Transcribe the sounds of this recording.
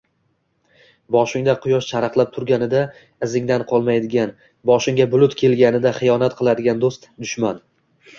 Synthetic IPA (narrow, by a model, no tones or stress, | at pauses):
bɒʃɪŋd̪aqʰʊjɒʃt͡ʃʰaɾɑqlˠap̚t̪ʰʊɾɡʲanɪd̪a | ɪzɪŋd̪anqʰɒlˠmajd̪ɪɡʲan | bɒʃɪŋɡʲabʊlˠʊt̪kʲʰe̞lɡʲanɪd̪aχɨjɒnat̪qʰɨlˠad̪ɪɡʲand̪ost̪d̪ʊʃman